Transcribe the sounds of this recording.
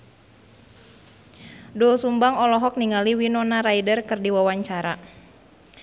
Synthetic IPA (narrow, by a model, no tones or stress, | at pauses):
dɔsumbaŋɔlɔɦɔk̚niŋaliwinɔnaɾaidərkɨrdiwawaɲt͡ʃaɾa